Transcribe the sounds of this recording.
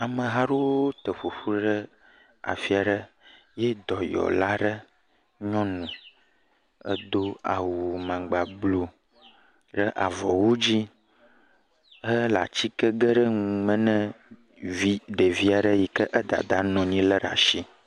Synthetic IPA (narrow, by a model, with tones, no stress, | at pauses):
a˨mə̃˨ɦa˦ɖo˦t̪ə˨ɸu˨ɸu˦ɖə˦ | a̰˨fi˦a˨ɖə˦ | jɛ˦d̪ɔ˨jɔ̰˨la˦ɖə˦ | ɲɔ̃˦nũ˨ | ə̰˦d̪o˦a̰˨wu˨mã˨ɡ͡ba˨blo˦ | ɖə˦ʔa˨vɔ˨wo˦d͡ʑi˦ | ə˦la̰˨t͡ɕi˦kə˦ɡə˦ɖə˦ŋu˨mə̃˨nə̃˦ | vi˦ɖə˨vi˦a˨ɖə˦ji˨kə˦ʔə˦d̪a̰˨d̪a˨nɔ̃˨ɲĩ˦lə˦ɖa̰˨ʃi˦